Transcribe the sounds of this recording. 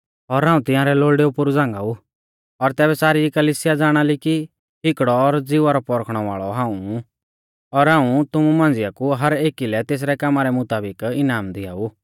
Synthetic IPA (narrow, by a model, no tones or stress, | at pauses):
ɔɾɦãːũt̪ɪ̃jãːɾɛloːɭɖeupʊɾud͡zãːŋɡau | ɔɾt̪ɛːβɛsaːɾikɐliːsɪjad͡zaːɽ̃aliki | ɦɪkɽɔːɾd͡zɪʋaɾɔpɔɾkʰɽ̃ɔʋa̰ːɭɔɦãːũ | ɔɾɦãːũt̪ʊmumãːnd͡zɪjakuɦɐɾeːkilɛt̪eːs̬ɾɛkaːmaɾɛmʊt̪aːbɪkɪnaːmd̪ɪa̰ːu